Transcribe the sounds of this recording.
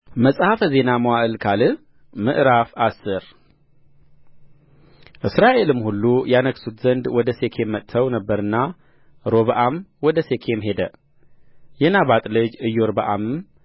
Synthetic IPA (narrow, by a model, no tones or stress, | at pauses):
məsʼhafəze̞naməwaʔɨlkʰalɨ | mɨ̰ʔɾafasːɨɾ | ʔɨsɾaʔe̞lɨmhulːujanəksut̪zənd̪wɔd̪əse̞kʰe̞mːət̪ʼʰːəwnəbːəɾɨnːa | ɾo̞βəʔamwɔd̪əse̞kʰe̞mɦe̞d̪ə | jɛnaβat̪ʼlɨd͡ʒɨjːoɾbəʔamɨm